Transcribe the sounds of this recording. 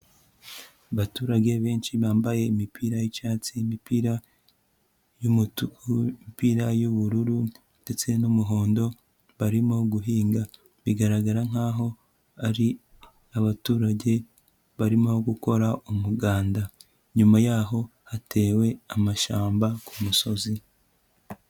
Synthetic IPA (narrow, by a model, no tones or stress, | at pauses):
aβatuːɾaɟe̞βeːnʃiβaːmbaje̞imipʰiːɾajit͡ʃaːt͡simipiːɾa | ju | piːɾajoβuɾuɾu | nd̥e̞t͡se̞nomuɦo̞ːndo̞ | βaɾimoɡuɦiːŋɡa | βiɡaɾaɡaɾaŋ̥aːɦo̞ | aɾi | aβatuːɾaɟe̞ | βaɾimoɡuko̞ɾaʔumuɡaːnda | ɲumajaːɦo̞hate̞ːwe̞amaʃaːmbakumuso̞zi